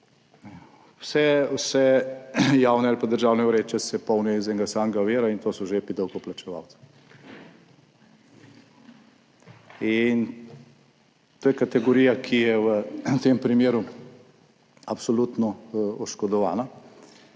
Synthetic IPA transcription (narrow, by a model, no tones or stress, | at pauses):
wsɛwsɛ | jaːwnɛalipad̪əɾʒaːwnɛuɾeːt͡ʃɛsɛpɔwnɛzɛŋɡasaːŋɡaʋeːɾaint̪oːsɔʒepid̪ɔwkɔplat͡ʃɛʋa̰wt̪si̥ | in | t̪oːjɛkat̪ɛɡɔɾiːjakʰijɛʋət̪empɾimeːɾu | apsɔlut̪nɔɔʃkɔd̪ɔʋaːna